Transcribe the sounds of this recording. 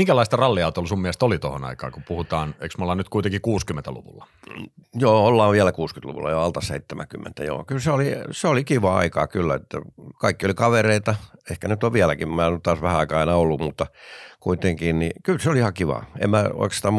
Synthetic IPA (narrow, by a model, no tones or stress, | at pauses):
iŋkælɑist̪ɑrɑlːiɑˑut̪olsummiæst̪olit̪ohonɑ̰ikɑ̰ːkupuhut̪ɑːnḛˑiksmolːɑnyt̪kuit̪eŋkikuːskymːent̪ælṵʋṵlːɑ | joːolːɑːʋʋiælækuːskyt̪lṵʋṵlːɑ̰joɑlt̪ɑsḛit̪ːemʔæ̰kymːḛnt̪æ̰jo̰ːkylseoliseolikiʋɑɑ̰ikɑ̰ːkylːæet̪ːæ̰kɑikːiolikɑʋereit̪ɑehkænyt̪ːoʋʋiælækimmæːonyt̪ɑːsʋæhæɑikɑɑˑinɑolːumut̪ːɑkuit̪eŋkinnikylseoliihɑkiʋɑ̰ḛmmæo̰iksi̥t̪æm